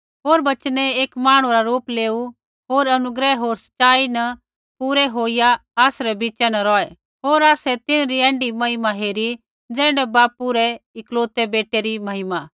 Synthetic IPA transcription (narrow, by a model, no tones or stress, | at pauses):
ɦoːɾbɐt͡ʃnɛeːkmaːɽ̃ũɾaɾoːpleːu | ɦoːɾɐnʊɡɾɛɦoːɾsɐ̥t͡ʃaːinɐ | puːɾɛɦoːɪjaaːsɾɛbiːt͡ʃɛnɐɾɔːɛ | ɦoːɾaːsɛt̪ɪnɾiɛ̃ːɳɖimɐɦɪmaɦeːɾi | d͡zɛ̃ːɳɽɖɛbaːpuɾɛɪkloːt̪ɛbeːʈeɾimɐɦɪma